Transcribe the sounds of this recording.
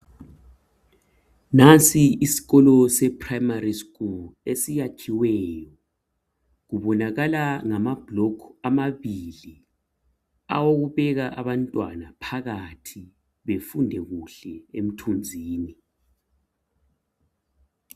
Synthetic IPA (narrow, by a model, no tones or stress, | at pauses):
nant͡sʼiisi̥ɣɔlɔsɛpʰʼraimariskʼulesijakʰiwɛjɔ | ɣuβɔnaɣalaŋamab̥lɔkʰamaβili | a̰woɣuβɛɣaʔaβantʼwanapʰaɣatʰi | βefundʱɛɣuɬɛem̩tʰund͡zʱiːni